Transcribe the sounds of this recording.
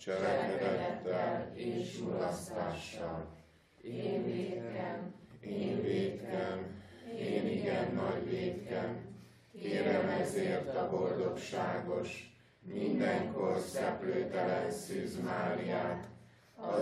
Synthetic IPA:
t͡ʃɛlɛkɛd̪ɛt̪ːɛleːʃulɒst̪aːʃːɒl | eːnveːt̪kɛmeːniɡɛnːɒɟʋeːt̪kɛm | keːɾɛmɛzeːrt̪ɒbo̞ld̪o̞kʃaːɡo̞ʃ | mind̪ɛŋkorsɛpløːt̪ɛlɛnsyːzmaːlijaːt̪ | ɒ

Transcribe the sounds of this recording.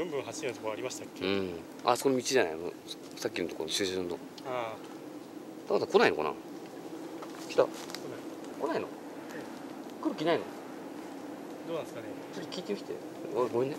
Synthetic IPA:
ɡɯ̃mbɯ̟̃ɰ̃ɦaɕiet̪ːt̪okoaɾʲimaɕi̥t̪akʲːeɯ̟̃ | a̰soonomʲit͡ɕiʑana̰imo̰ | sakʲːino̞t̪o̞ko̰nɕɨːɕɯ̃nd̪o̰ | a | t̪akːt̪ako̞nainoka̰na̰ | kʲi̥t̪a̰oa | ko̞naino̰ | kɯ̟ɾɯ̟kʲinaino̰ | d̪oːaskanet͡ɕot̪ːokʲiːt̪ekʲi̥t̪e | oɡoĩnːe

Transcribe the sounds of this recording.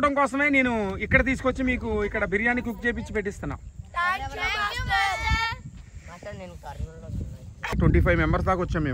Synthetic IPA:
ʈɐmkɔːsɐmeːne̞ːnuikːɐɽɐt̪̬iːs̬u̥kʋɐt͡ʃːimiːk̬uikːɐɽɐbʱiɾijaːnik̬ʲuk̚t͡ʃeːp̬it͡ʃːipe̞ʈːist̪unːa̰ːm | ʈweɳʈiːpʰɐjʋmɛmbɐɾs̬d̪aːkʋɔt͡ʃːaːmːeː

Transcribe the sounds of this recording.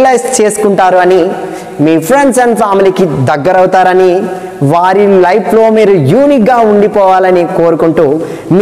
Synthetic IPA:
lɐjst͡ʃe̞ːsu̥kuɳʈaːɾuɐni | miːpʰɾeɳɖsɐnpʰaːmilikid̪ɐɡːɐɾɐwt̪aːɾɐni | ʋaːɾilɐjplo̞ːmiːɾujuːnikɡaːuɳɖipɔːʋaːlɐnikoːɾukuɳʈuː | m

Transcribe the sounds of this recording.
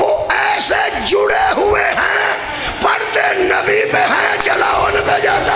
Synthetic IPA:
ʋoɛːsed͡ʒʊɽeɦʊeɦɛ̃ | pɐɽt̪enəbipeɦɛ̃t͡ʃɐlaːonbed͡ʒaːt̪a

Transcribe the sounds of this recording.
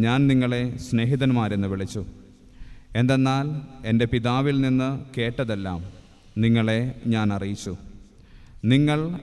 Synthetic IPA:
ɲaːnniŋːɐɭe̞sne̞ːɦiðɐnmaːɾenːɨʋiɭit͡ɕːu | e̞nd̪e̞nːaːle̞nde̞piðaːʋilninːɨke̞ːʈːɐðe̞lːa̰ːm | niŋːɐɭe̞ɲaːnɐrijit͡ɕːu | niŋːɐɭ

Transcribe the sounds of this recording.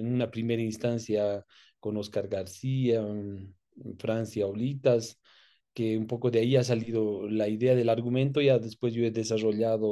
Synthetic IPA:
enũnapɾime̞ɾainst̪ansjako̞no̞skaɾɣaɾsia | fɾansjaolit̪as | keumpo̞koðeaias̬aliðolaiðeaðe̞laɾɣumẽnt̪̬o̞ʝaðe̞spwe̞zʝoeðe̞saro̞ʎaðo

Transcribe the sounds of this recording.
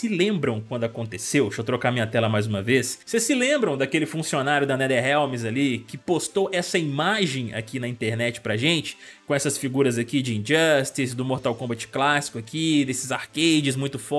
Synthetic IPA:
sɪlẽmbɾɐ̃w̃kwɐ̃nd̪ʊakõnt̪esewʃot̪ɾokamĩɲɐt̪ɛlɐmajzũmɐvessesːɪlẽmbɾɐ̃w̃d̪ɐkelɪfũsionaɾjʊd̪ɐnɛd̪ɛɦɛwmɪzalikɪpost̪oʔɛsɐimaʒẽj̃a̰kinɐĩnt̪eɾnɛt͡ʃɪ̥pɾɐʒẽnt͡ʃɪ̥kõɛsɐsfiɡuɾɐzakid͡ʒɪĩd͡ʒɐst̪is̬d̪ʊmoɾt̪awkõbat͡ʃɪ̥klasi̥kʊakid̪esɪzaɾkejd͡ʒɪzmũj̃t̪ʊfɔ

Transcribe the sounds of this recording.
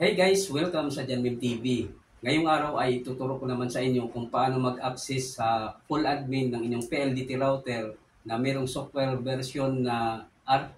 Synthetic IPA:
hejɡajswɛlkamsɐd͡ʒanmɪnt̪ibi | ŋɐjʊŋʔaːɾawʔɐjɪt̪ʊt̪ʊɾokonɐmansɐʔɪɲjokʊŋpɐʔaːnomɐɡaksɛsːɐfʊlʔad̪̚mɪnːɐŋʔɪɲːoŋpɛʔɛld̪it̪ɪɾawt̪ɛɹ | nɐmɛːɾoŋsok̚wɛɾbɛɾsjonːaʔaɾ

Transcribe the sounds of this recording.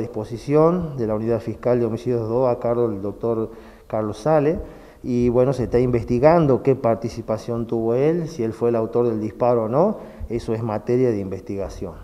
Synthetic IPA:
ðihsposisjond̪elauniðaðfihkald̪eo̞misiðjoðoakaɾɣoðeld̪ok̚t̪oɾ | kaɾlosale | iβwe̞nosest̪aimbest̪iɣand̪okepaɾt̪isipasjo̞nt̪uβoelsielfweːlawt̪oɾðeld̪ispaɾoːno̞ | esoezmat̪eɾjaðeimbest̪iɣasjon

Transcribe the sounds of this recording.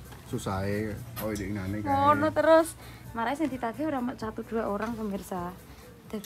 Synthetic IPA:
susaeoidɪnanɪkɔnɔt̪əɾʊsmaɾaesɛŋd̪it̪aɡioɾamat͡ʃat̪ud̪̥uaʔoɾaŋpəmirsa | d̪̥a

